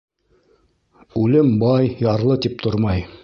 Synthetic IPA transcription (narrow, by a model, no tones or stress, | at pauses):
ʉlɘmbɑjjɑɾlˠɤt̪ip̚t̪ʰoɾmɑj